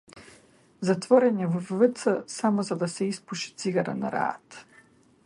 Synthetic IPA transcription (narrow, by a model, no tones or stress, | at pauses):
zat̪vɔɾɛnʲɛvɔvːət̪səsamɔzad̪asɛispuʃi̥t̪siɡaɾa̰na̰ɾa̰ːt̪